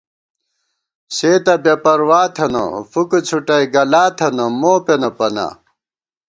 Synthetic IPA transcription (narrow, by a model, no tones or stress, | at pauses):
seːt̪ɐbepɐɾwaːt̪ʰɐnɐ̰fukut͡sʰuʈɐjɡɐlaːt̪ʰɐnɐmoːpenɐpɐna̰